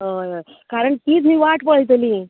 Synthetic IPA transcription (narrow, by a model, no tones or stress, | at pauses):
ɦəj | kaɾəɳt̪iːt͡smiːʋaʈpəɭjt̪əli